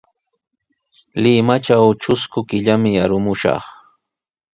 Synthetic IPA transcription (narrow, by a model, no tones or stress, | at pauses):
lɪmat͡ʃawt͡ʃʊskʊkɪʎamɪaɾʊmʊʃɑ̰χ